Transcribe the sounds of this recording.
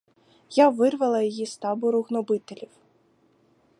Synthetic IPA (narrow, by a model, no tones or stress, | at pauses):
jaʋɪrʋɐlˠɐjɔjist̪ɑbʊɾʊɣnɔbɪt̪elʲiw